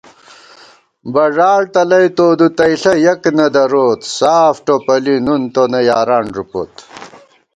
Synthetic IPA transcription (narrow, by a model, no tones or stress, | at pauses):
bɐʐaːɻt̪ɐlɐjt̪oːd̪ut̪ɐjɬɐjɐknɐd̪ɐɾoːt̪saːfʈopɐlinunt̪onɐjaːɾaːɳʐupo̰t̪